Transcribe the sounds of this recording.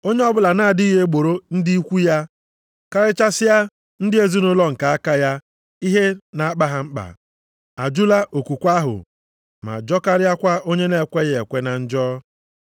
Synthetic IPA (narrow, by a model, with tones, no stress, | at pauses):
o˦ɲe˦ɔ˦bʊ˦la˨na˦˨dɪ˦i˦ɦe˦ɡ͡bo˨ɾo˦n̩˦di˦i˦kʷu˦ja˦ | ka˦ɾɪ˦t͡ʃa˦sɪ˦ja˦ | n̩˦dɪ˦e˦zi˦nʊ˦lɔ˦ŋ̩˨ka˨a˦ka˦ja˦ | i˦ɦe˦na˨a˦k͡pa˦ɦa˨ŋ͡m̩˦k͡pa̰˨ | a˨d͡ʒu˦la˦ʔo˨kʷu˨kʷa˦ɦʊ̰˨ | ma̰˨d͡ʒɔ˦ka˦ɾɪ˦a˦kʷa˦o˦ɲe˦ne˦˨kʷe˦ɣe˨e˨kʷe˦na˨n̩˦d͡ʒɔː˦